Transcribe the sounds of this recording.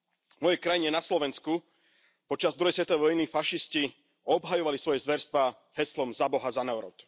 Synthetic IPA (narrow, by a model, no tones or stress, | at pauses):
mɔjɛkɾajiɲɛnaslɔʋɛnsku | pɔt͡ʃazd̪ɾuɦɛjs̬ʋɛt̪ɔɛʋɔjnifaʃisci | ɔbɦajɔʋalisʋɔjɛzʋɛɾst̪ʋaː | hɛslɔmzabɔɦazanɛɔɾɔ̰t̪